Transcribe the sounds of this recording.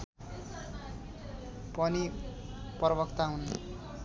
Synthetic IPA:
pʌni | pʌrʌbʌkt̪aɦun

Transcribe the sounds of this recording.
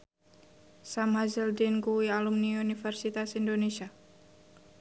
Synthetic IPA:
samɦazɛldinkuwialumniunifɛrsit̪asindonesia

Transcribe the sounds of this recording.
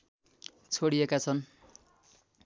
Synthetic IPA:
t͡sʰoɽiekat͡sʰʌn

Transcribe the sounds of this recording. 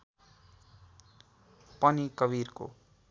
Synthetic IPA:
pʌnikʌbirko̰

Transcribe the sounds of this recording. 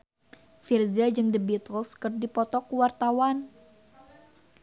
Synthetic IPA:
firziad͡ʒɨŋdəbit̪əlskərdipɔt̪ɔkuwart̪awan

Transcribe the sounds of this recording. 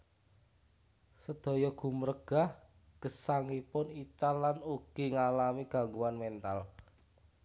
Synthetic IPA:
səd̪̥ɔ̤jɔɡ̥ṳmərɡ̥a̤h | ɡ̥əsaŋipʊnit͡ʃalːanuɡ̥i̤ŋalamiɡ̥a̤ŋɡuanmɛnt̪al

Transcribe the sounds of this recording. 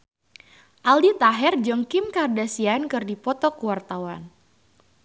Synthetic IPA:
ʔaldit̪aɦɛrd͡ʒɔŋkɪmkardasiankɨrdipɔt̪ɔkuwart̪awan

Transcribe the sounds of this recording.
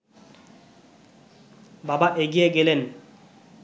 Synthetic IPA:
babaʔeɡijeɡelen

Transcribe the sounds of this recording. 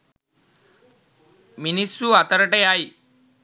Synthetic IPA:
minisːuat̪əɾəʈeaj

